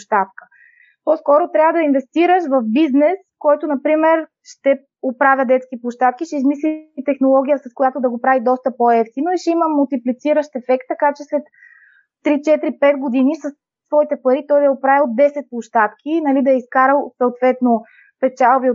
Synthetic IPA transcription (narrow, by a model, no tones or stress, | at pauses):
pʃt̪at̪kə̥ | pɔskɔɾot̪ɾʲavəd̪ɐinvɛst̪iɾəʃvɐfbiznɛskɔjt̪onɐpɾimɛɾ | ʃt̪ɛ | opɾavʲjəd̪ɛt̪skʲipʊʃt̪at̪̚k̟iʃɛizmislit̪ɛxnolˠɔɡ̟ʲijəsɐskojat̪od̪ɐɡopɾavid̪ɔst̪əpoɛft̪inoiʃɛiməmulˠt̪iplit̪siɾəʃt̪ɛfɛkt̪ːɐkat͡ʃɛslɛt̪ː | ɾit͡ʃɛt̪ɾipɛt̪ɡod̪inisɐsːvɔit̪ɛpɐɾit̪ɔjd̪ɐɛopɾavʲɛlod̪ɛsɛt̪̚plˠʊʃt̪at̪kʰʲinɐlid̪ɐɛiskaɾəlˠsɐʊt̪vɛt̪no | pɛt͡ʃalˠbio